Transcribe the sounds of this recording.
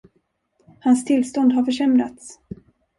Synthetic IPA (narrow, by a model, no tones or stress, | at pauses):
hanst̪ʰɪlst̪ɔnd̪ɦaɾfœʂɛmɾa̰t̪s